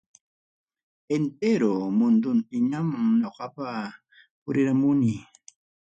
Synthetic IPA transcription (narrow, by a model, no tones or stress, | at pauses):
ent̪eɾomʊnd̪ʊnt̪ɪɲamaŋɲoqɑpa | pʊɾɪɾamʊni